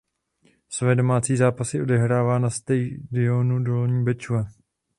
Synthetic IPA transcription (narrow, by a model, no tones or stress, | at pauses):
svɛːdo̞maːt͡siːzaːpasɪʔo̞dɛɦɾaːvaːnast̪ɛjdɪonudoloɲiːbɛt͡ʃuva